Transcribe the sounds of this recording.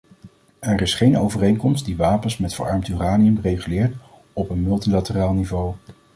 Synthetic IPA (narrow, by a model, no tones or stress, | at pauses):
ɛɹɪsχejno̰wvərejŋkɔmstdiʋaːpənsmɛtfə̰ːɹɑɹmtyraːniəmrejχylɪːɹt | ɔpənmɵlˠtilatəraːlˠnivow